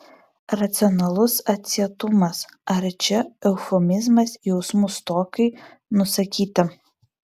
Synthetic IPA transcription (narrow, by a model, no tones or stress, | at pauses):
ɾɐt̪sʲɪɔnɐlˠʊsɐt̪ʲsʲiɛt̪ʊmɐsɐɾt͡ʃʲɛɛʊfɔmʲɪzmɐsjɛʊsmʊst̪oːkɐɪ | nʊsɐkʲiːt̪ʲɐ